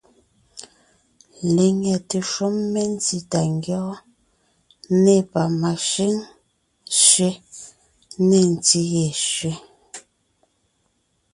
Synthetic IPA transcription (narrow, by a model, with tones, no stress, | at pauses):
le˨ŋɛ˨te˨ʃo˦mːe˦n̩˦ti˦ta˨ŋ˦ɡjɔ˦ | ne˦˨pa˨ma˨ʃi˦ŋ | ʃɥe˦ | ne˦˨n̩˨ti˦je˨ʃɥe˦